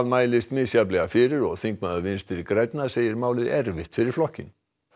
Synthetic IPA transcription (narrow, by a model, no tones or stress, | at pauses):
ðmaːjlɪst̪mɪːsjap̬lɛɣafɪɾɪɾɔɣθiŋk̚maðavɪnst̪fɪɾɪɾkɾɛjt̪naseːjɪɾmaːwlɪðɛɾvɪht̪fɪɾɪɾflɔhcɪn